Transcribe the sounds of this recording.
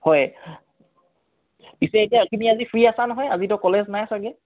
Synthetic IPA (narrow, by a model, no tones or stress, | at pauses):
hɔj | pisɛetijakimiazifɹiasanɔɦɔjazitɔkɔleznajsaɡɛ